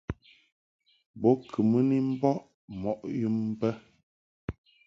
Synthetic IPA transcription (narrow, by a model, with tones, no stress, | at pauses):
bɔ˨˦kʰɨ˨mə˦ni˦m̩˦bɔ˦ʔ | mɔ˨ʔju˦m̩ː˦bə˦